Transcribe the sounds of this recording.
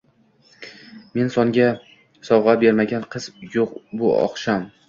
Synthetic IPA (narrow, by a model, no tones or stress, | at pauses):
me̞nsɒŋɡʲa | sɒwʁɑbe̞ɾmaɡʲanqʰɨzjoqbʊɒ̰χʃam